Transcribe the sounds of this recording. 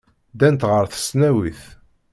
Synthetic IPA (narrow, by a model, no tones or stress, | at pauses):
d̪ænt̪ʁəɾθə̥snæwiθ